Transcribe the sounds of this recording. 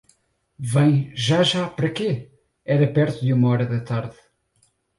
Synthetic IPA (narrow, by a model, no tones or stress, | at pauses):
vɐ̃j̃ʒaʒapɐɾɐke | ɛɾɐpɛɾt̪uðumɐɔɾɐðɐt̪aɾð